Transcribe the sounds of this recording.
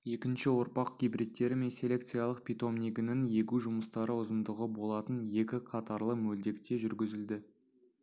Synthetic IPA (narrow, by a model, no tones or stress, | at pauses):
je̞kʲɪnʃɪwoɾpɑqɡʲijbrit̪̚ːe̞ɾɪme̞nse̞lʲe̞k̚t̪sɨjalˠəq̚pʲit̪o̞mniɡʲɪnɪŋje̞kʲuʒʊməst̪ɑɾəʊzəmd̪əʁəbo̞lˠɑt̪ənje̞kʲɪqʰɑt̪ɑɾlˠəmɵld̪e̞kt̪e̞ʒʏɾɡʲɪzɪld̪ɪ